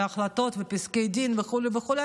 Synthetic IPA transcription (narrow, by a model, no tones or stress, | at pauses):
aχlat̪o̞t̪vepiskejd̪invexulevexule